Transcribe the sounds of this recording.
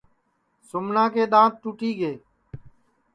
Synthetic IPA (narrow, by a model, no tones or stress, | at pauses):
sʊmnãːkeːɗ̪ãːt̪̚ʈuːʈiːɡeː